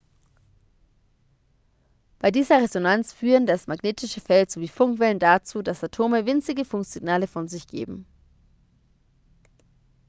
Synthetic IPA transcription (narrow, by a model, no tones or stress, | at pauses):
b̥aɪdiːzɐʁ̞ezonant͡sfyːʁəndasmaɡneːtɪʃəfɛltz̥oviːfʊŋkv̥ɛləndat͡suːdasatʰoːməvɪnt͡sɪɡəfʊŋkz̥ɪɡnaːləfɔnzɪçɡ̥ḛːbm̩